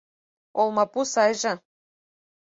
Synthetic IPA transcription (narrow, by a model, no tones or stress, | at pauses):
olˠmɑpusɑjʒɤ̆